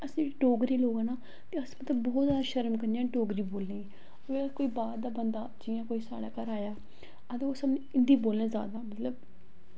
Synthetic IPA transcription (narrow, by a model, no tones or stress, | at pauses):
əsĩːɖoːɡɾiːloːɡanaː | t̪eəsmət̪ləbːɔːt̪zaːd̪aːʃəɾmkəɾneaːʈoːɡɾiːboːlneː | ekoːiːbaːɾd̪aːbənd̪aːd͡ʒɪjãːkoːiːsa̰ːɽaːkəɾaːjaː | əd̪eoːsəmneɪnd̪iːboːlnẽːza̰ːd̪aːmət̪ləb